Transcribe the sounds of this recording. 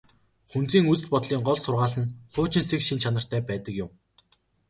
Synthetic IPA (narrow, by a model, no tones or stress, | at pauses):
χun̥t͡siːŋut͡sɘ̆t̪̚pɔt̪ɮiːŋɢɔɮsʊrʁaːɮə̆nχʊːt͡ɕɪ̆nsekʃint͡ɕʰanə̆r̥t̪ʰæːpæːt̪ə̆kjʊm